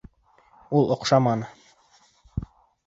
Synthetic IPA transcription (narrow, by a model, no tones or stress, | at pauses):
ulˠŏqʃɑmɑnɤ